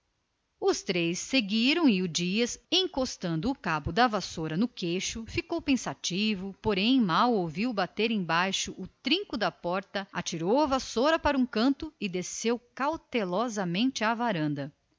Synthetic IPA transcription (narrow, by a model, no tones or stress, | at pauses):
ʊst̪ɾejsːeɡiɾɐ̃w̃ɪʊd͡ʒiɐsẽj̃kost̪ɐ̃nd̪ʊːkabʊd̪ɐvasoɾɐnʊkejʃʊfikowpẽsat͡ʃivʊpoɾẽj̃mawowviwbat̪eɾẽj̃bajʃʊʔʊt̪ɾĩŋkʊd̪ɐpɔɾt̪ɐat͡ʃiɾowɐvasoɾɐpaɾɐũkɐ̃nt̪ʊɪd̪esewkawt̪elɔzɐmẽnt͡ʃɪavaɾɐ̃nd̪ɐ